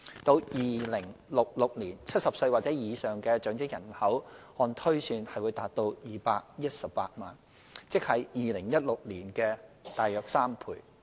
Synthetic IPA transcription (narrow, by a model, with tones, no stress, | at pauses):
t̪o˧wjiː˨˩lɪ˨˩ŋlʊ˨˩k̚lʊ˨k̚liː˨˩nt͡sʰɐ˥t̚sɐ˨p̚sɵ˧ɥwaː˨t̚t͡sɛ˨˥jiː˨˧sœː˨ŋkɛː˧t͡ʃœː˨˥ŋt͡sɪ˥k̚jɐ˨˩nhɐ˨˥whɔː˧nt̪ʰɵ˥ɥsyː˧nhɐ˨jwuː˨˧jt̪aː˨t̪̚o˧wjiː˨˩paː˧k̚jɐ˥t̚sɐ˨p̚pːa̰ː˧t̚ma̰ː˨˩n | t͡sɪ˥k̚hɐ˨˥jjiː˨lɪ˨˩ŋjɐ˥t̚lʊ˨k̚liː˨˩nkɛː˧t̪aː˨jœː˨˧k̚saː˥mpʰṵː˧˩j